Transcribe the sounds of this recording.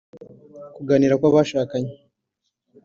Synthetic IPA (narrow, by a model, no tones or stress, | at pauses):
kuɡaniɾakwaβaʃaːkaɲe